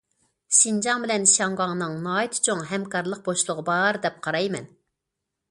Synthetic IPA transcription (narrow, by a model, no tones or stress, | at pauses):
ʃind͡ʒɑŋbɪlɛnʃɑŋʁɑŋnɨŋnɑːit̪ʰt͡ʃʰoŋɦɛmkɑɾlˠəq̚boʃlˠʊʁəbɑɾd̪ɛp̚qʰɑɾɑjmɛ̰n